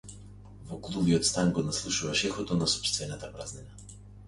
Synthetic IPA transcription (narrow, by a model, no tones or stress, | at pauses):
vɔklˠubiɔt̪st̪aŋɡɔnaslˠuʃuvaʃɛxɔt̪ɔnasɔ̥pʃt̪vɛnat̪apɾaznɛna